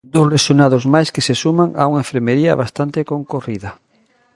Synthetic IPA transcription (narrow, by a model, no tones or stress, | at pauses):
d̪osresunaðozmajskesesumaŋa̰uŋaeɱfeɾmeɾiɐ̰βast̪ant̪ekoŋkoriðɐ